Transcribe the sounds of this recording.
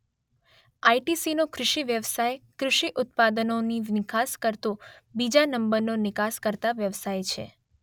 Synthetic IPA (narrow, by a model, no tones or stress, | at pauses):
ajʈisinokɾʊʃiʋjəʋsajkɾʊʃiʔʊt̪̚pad̪ənoninɪkaskəɾt̪obid͡ʒanəmbəɾnonɪkaskəɾt̪aʋjəʋsajt͡ʃʰḛ